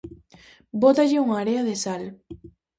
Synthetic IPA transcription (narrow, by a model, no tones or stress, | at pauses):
bot̪aʎɪuŋaːɾeaðesal